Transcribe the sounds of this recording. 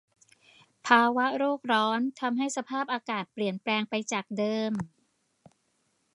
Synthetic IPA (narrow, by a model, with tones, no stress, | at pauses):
pʰaː˧wa˦˥ɾoː˥˩k̚ɾɔː˦˥nt̪ʰa˧mɦa˥˩jsa˧pʰaː˥˩p̚ʔaː˧kaː˨˩t̪̚pli˨˩ənplɛː˧ŋpa˧jt͡ɕaː˨˩k̚dɤː˧m